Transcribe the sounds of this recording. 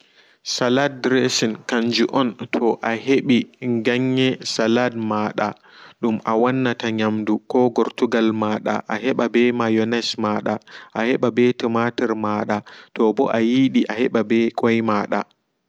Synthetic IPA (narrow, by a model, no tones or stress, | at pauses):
salad̚ɾesinkaɲd͡ʒuʔɔntʰɔʔaheɓiŋɡaɲːɛsaladmaːɗa | ɗumʔawanːataɲamdukɔɡɔɾtuɡalmaːɗa̰ʔaɦɛɓabɛmajɔnɛsmaːɗaʔahɛɓabɛtɛmatɛɾmaɗatɔbɔʔajiɗiʔahɛɓabɛkʼɔjmaɗa̰